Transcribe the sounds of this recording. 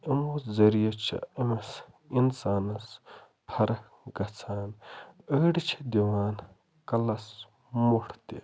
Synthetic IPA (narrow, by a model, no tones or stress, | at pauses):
ɐmuzɐɾijɐt͡ʃʰɐ̰ɐmɐs | insaːnɐs | pʰɐɾɐ | ɡɐt͡sʰaːnəːɖit͡ʃʰi̥d̪iwaːn | kɐlɐs | muʈʰt̪ḭ